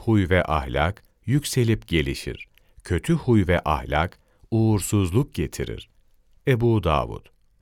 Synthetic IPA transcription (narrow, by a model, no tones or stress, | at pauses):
hujvɛʔahlʲak | jycse̞lʲip̚ɟe̞lʲiʃḭɾ̥ | cʰø̞t̪ʰyhujvɛʔahlʲak | uːɾsuzlˠuk̚ɟe̞t̪ʰiɾḭɾ̥ | ebuːd̪a̰ːvṵt̪